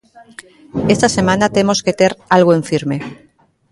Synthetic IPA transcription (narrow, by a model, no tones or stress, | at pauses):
e̞st̪ase̞mãnat̪e̞mo̞ske̞t̪e̞ɾalɣoeɱfiɾme̞